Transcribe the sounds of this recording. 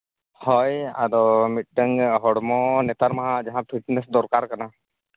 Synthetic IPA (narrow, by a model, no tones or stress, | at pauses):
hɔja̰d̪ɔmit̪̚ɖəŋɦɔɽmɔnɛt̪aɾmaɦãd͡ʒaɦãpʰiʈnɛsd̪ɔɾkaɾkana